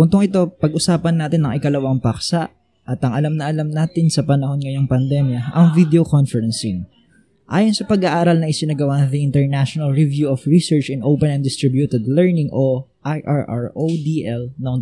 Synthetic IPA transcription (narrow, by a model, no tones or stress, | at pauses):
bʊnt̪oŋʔɪt̪o̞pɐɡʔʊsaːpɐnːaːt̪ɪnɐŋʔɪkɐlɐwɐŋpɐksɐʔ | ʔɐt̪ɐŋɐlamnɐʔɐlamnaːt̪ɪnsɐpɐnɐho̞nŋɐjoŋpɐnd̪ɛmjɐʔɐŋvid̪ɛokonfɛɾɛnsin | ʔaːjonsɐpɐɡaʔaːɾɐlnɐŋʔɪsɪnɐɡɐwanðɐɪnt̪ɛɹnaʃonɐlɹɪvjuʔofɹisɛɹt͡ʃɪnʔowpɛnɛ̃nd̪ɪst̪ɾɪbjut̪ɛd̪lɛɹnɪŋʔo | ʔajʔaɹʔa̰ɹʔod̪iʔɛlnoŋ